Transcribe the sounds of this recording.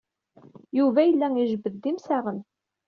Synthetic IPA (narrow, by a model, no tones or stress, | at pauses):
juvæjəlːæiʒbəðd̪ːimsæʁən